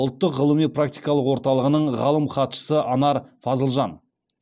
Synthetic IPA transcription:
ʊlˠt̪ːəqʁəlˠəmipʰrak̚t̪ijkɑlˠəqwo̞ɾt̪ɑlˠəʁənəɴʁɑlˠəmχɑt̪ʃə̥səʔɑnɑɾfɑzəlˠʒɑn

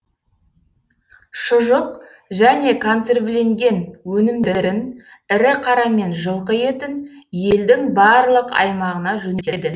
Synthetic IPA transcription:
ʃʊʒəq | ʒæne̞kʰont̪se̞rble̞ŋɡʲe̞nwɵnɪmd̪eɾɪn | ɪɾɪqʰɑɾɑme̞nʒəlˠqəje̞t̪ɪnje̞ld̪ɪŋbɑɾlˠəqɑ̰jmɑʁənɑʒɵnet̪ed̪ɪ

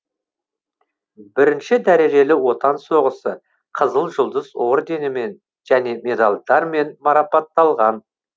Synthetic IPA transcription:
bɪɾɪnʃɪd̪æɾe̞ʒe̞lɪwo̞t̪ɑnso̞ʁəsə | qʰəzəlˠʒʊlˠd̪əzo̞ɾd̪e̞nɪme̞n | ʒ̥æne̞mʲe̞d̪alˠd̪ɑɾme̞nmɑɾɑpɑt̪ːɑlˠʁɑn

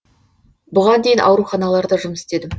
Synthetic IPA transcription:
bʊʁɑnd̪ejɪnʔɑ̰wɾuχɑnɑlˠɑɾd̪ɑʒʊməsɪ̥t̪e̞d̪ɪm

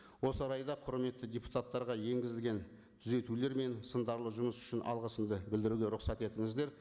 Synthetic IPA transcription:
wo̞səɾɑjd̪ɑqʰʊɾme̞t̪ːɪdʲepu̥t̪at̪ːɑɾʁɑje̞ŋɡʲɪzɪlʲɡʲe̞n | t̪ʰʏze̞t̪ule̞ɾme̞nsənd̪ɑɾlˠəʒʊməsʏ̥ʃɪnʔɑ̰lˠʁəsəmd̪əbɪld̪ɪɾuɡʲe̞ɾʊqsɑt̪e̞t̪ɪŋɪzd̪e̞ɾ

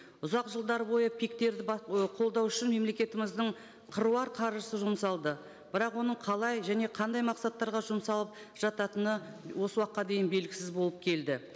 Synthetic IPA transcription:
ʊzɑqʒəlˠd̪ɑɾəbo̞jəpʰik̚t̪e̞ɾd̪ɪbɑqʰo̞lˠd̪ɑwʏʃɪnme̞mle̞kʲe̞t̪ɪmɪzd̪ɪɴ | qʰəɾuɑɾqʰɑɾʒəsəʒʊmsɑlˠd̪ə | b̥ɪɾɑqwo̞nəɴqʰɑlˠɑjʒæne̞qʰɑnd̪ɑjmɑqsɑt̪ːɑɾʁɑʒʊmsɑlˠəp̚ | ʒ̥ɑt̪ɑt̪ənəwo̞səwɑqːɑd̪e̞jɪnbe̞lɡʲɪ̥sɪzbo̞lˠəp̚kʲʰe̞ld̪ɪ

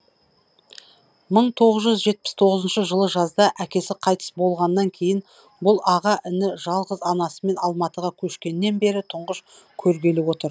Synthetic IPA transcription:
məɴt̪ʰo̞ʁəzʒʏzʒe̞t̪̚pɪ̥st̪ʰo̞ʁəzənʃəʒəlˠəʒɑzd̪ɑʔækʲe̞sɪqʰɑjt̪ə̥sbo̞lˠʁɑnːɑŋkʲʰe̞jɪn | bʊlˠɑʁɑʔɪnɪʒɑlˠʁəzɑnɑsəme̞nɑlˠmɑt̪əʁɑkʲʰɵʃkʲe̞nːe̞nbe̞ɾɪt̪ʰʊɴʁəʃ | kʲʰɵɾɡʲe̞lɪwo̞t̪əɾ

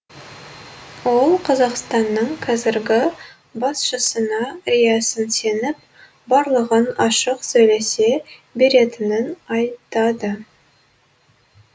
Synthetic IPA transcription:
wo̞lˠqʰɑzɑqst̪ɑnːəɴqʰɑzɪɾɡʲɪ | bɑsʃəsənɑɾʲijɑsənse̞nɪp̚ | bɑɾlˠəʁənɑʃəqsɵjle̞se̞be̞ɾe̞t̪ɪnɪnɑjt̪ɑd̪ə

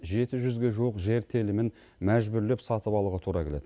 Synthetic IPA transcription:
ʒe̞t̪ɪʒʏzɡʲe̞ʒuwəqʒe̞ɾt̪ʰelɪmɪn | mæʒbʏɾle̞psɑt̪əpɑlˠuʁət̪ʰuɾɑkʲʰe̞le̞d̪ɪ

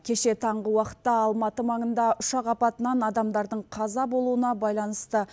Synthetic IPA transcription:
kʲʰe̞ʃe̞t̪ʰɑɴʁəwɑqə̥t̪ːɑɑlˠmɑt̪əmɑɴənd̪ɑʊʃɑqɑpɑt̪ənɑnɑd̪ɑmd̪ɑɾd̪əɴqʰɑzɑbo̞lˠuənɑbɑjlˠɑnəst̪ə

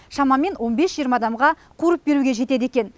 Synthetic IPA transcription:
ʃɑmɑme̞nwo̞nbe̞sʒijəɾmɑd̪ɑmʁɑ | qʰuɾəp̚be̞ɾuɡʲe̞ʒe̞t̪e̞d̪e̞kʲe̞n

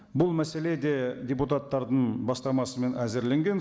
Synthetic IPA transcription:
bʊlˠmæse̞le̞d̪e̞dʲeput̪at̪ːɑɾd̪əɴbɑst̪ɑɾmɑsəme̞næzɪɾle̞ŋɡʲe̞n

